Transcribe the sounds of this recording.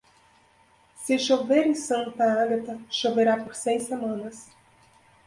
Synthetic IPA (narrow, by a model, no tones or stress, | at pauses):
sɪʃoveɾẽsɐ̃t̪ɐaɡɐt̪ɐʃoveɾapoɾsejsemɐ̃nɐs